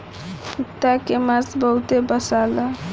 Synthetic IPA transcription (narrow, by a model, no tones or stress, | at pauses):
ut̪ːakemasbəɦut̪ebəsala